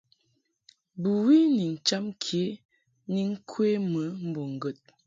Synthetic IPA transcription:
bu˨wi˦ni˨n̩˨t͡ʃa˦mkʰje˦ | ni˦ŋ̩˦kʰwe˦mə˨˦m̩˦bo˨ŋ˨ɡə˨t̚

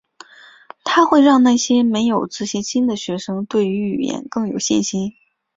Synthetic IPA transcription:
t̪ʰa˥xwe˥˧ɪɻɑ˥˧ŋna˥˩ɕjɛ˥me˧˥ɪjo˨˩ʊt͡sɹ̩˥˩ɕi˧˥nɕi˥nd̪ə˨ɕɥɛ˧˥ʂɤ˥ŋt̪we˥˩ɪy˧˥y̰˨˩jɛ̰˧˥nkɤ˥˩ŋjo˨˩ʊɕḭ˥˩nɕi˥n

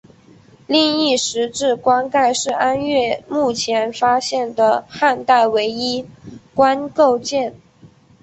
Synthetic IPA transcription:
li˥˧ŋi˥˩ʂɻ̩˧˥ʈ͡ʂɻ̩˥˩kwa˥ŋka˥˧ɪʂɻ̩˥˩a˥nɥɛ˥˩mu˥˩t͡ɕʰjɛ˧˥nfa˥ɕjɛ˥˩nd̪ə˩xa˥˧nt̪a˥˩ɪwe˧˥ɪi˥kwa˥nko˥˧ʊt͡ɕjɛ˥˩n

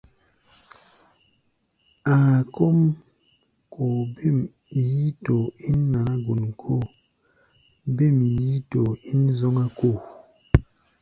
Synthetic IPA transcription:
a˨ko˦m | ko˨bi˦˨m | ji˦to˨i˦n˦na˨na˦ɡu˨n˨kʰo˦˨ | bi˦˨m˨ji˦to˨i˦n˦zɔ˦ŋa˦ko˦˨

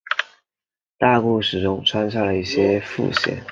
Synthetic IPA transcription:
t̪a˥˧ku˥˩ʂɻ̩˨˩ʈ͡ʂʊ˥ŋʈ͡ʂʰwa˥nɕ̬ja˥˩lə˩i˥˩ɕjɛ˥fṵ˥˧ɕjɛ̰˥˩˦n

